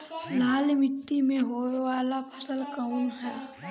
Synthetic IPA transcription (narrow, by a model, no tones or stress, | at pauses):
laːlmɪt̪ːimẽɦoːeʋaːlapʰəsəlkəunɦɛː